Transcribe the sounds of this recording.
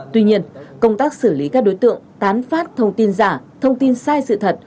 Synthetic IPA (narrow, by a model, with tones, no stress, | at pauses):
t̪wi˧ɲi˧ənkə˧wŋ͡mt̪aː˦˥k̚sɨ˧˩li˨˦kaː˦˥k̚ɗo˨˦jt̪ɨ̰˧˨əŋt̪aː˨˦nfaː˦˥t̚t̪ʰə˧wŋ͡mt̪i˧nzaː˧˩ | t̪ʰə˧wŋ͡mt̪i˧nsaː˧jsɨ̰˧˨t̪ʰə˨˩t̚